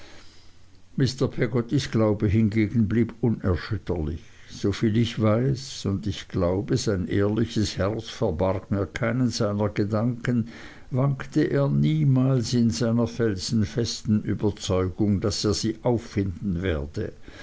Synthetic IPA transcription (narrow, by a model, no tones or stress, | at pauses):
mɪstəɐpʰɛɡɔt̪isɡ̥laʊbəɦɪnɡeːɡn̩bliːbʊnɛɐʃʏtəlɪ̰çz̥ofiːlɪçvaɪsʊndɪçɡ̥laʊbəzaɪnʔeːɐlɪçəshɛʁt͡sfɛɐbarɡmiːɐkʰaɪnənz̥aɪnɐɡədaŋkən | vaŋktəʔeːɐniːmaːlsɪnzaɪnɐfɛlz̥n̩fɛstn̩y̰ːbɐt͡sɔʏɡ̥ʊŋd̥aseːɐz̥iːʔaʊfːɪndn̩vɛːɐd̥ə